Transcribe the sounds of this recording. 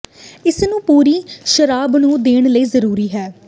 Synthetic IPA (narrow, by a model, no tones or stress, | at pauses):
ɪsnũːpuːɾiːʃəɾaːbnũːd̪eːɳ̃ləiːzəɾuːɾiːɦɛː